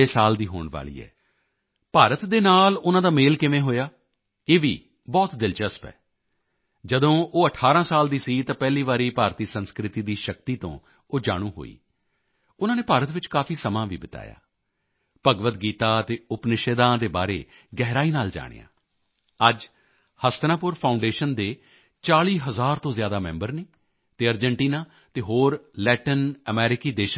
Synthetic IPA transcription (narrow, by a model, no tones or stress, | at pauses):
eːsaːld̪iːɦo̰ːɳʋa̰ːlḭːɛ̰ː | paːɾət̪d̪eːnaːlʊnãːd̪aːmeːlkɪmẽːɦoːjaː | eːʋḭː | bɔːt̪d̪ɪlt͡ʃəspɛ̰ː | d͡ʒəd̪õːʔoːəʈʰːaːɾãːsaːld̪iːsiːt̪ãːpɛːliːʋaːɾiːpaːɾt̪iːsənskɾɪt̪iːd̪iːʃək̚t̪iːt̪õ̰ː | oːd͡ʒa̰ːɽ̃ũːɦo̰ːḭː | ʊnãːneːpaːɾət̪ʋɪt͡ʃkaːfʰiːsəmãːʋḭːbət̪a̰ːja̰ː | pəɡʋət̪ɡiːt̪aːt̪eːʊpnɪʃeːd̪ãːd̪eːba̰ːɾḛː | ɡɛːɦɾaːiːnaːld͡ʒa̰ːɽ̃ḛjã̰ː | əd͡ʒ | həst̪nãːpʊɾpʰaːʊɳɖeːʃənd̪eː | t͡ʃaːliːɦəzaːɾt̪õːzjaːd̪aːmɛ̰̃ːmbəɾneː | t̪eːəɾd͡ʒəɳʈiːnaː | t̪eːɦoːɾlɛːʈənəmɛːɾɪkiːd̪eːʃ